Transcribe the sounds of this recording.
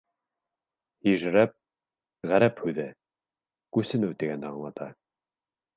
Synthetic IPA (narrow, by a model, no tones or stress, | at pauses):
hiʒɾæp̚ | ʁæɾæphʉðæ | kʉsɘ̆nɘwt̪iɡænd̪æɑɴlˠɑt̪ɑ̰